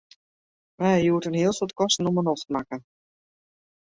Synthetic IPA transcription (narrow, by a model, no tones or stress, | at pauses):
mɛjuətənɦiəlˠsɔtkɔstənomənɔxtəmakə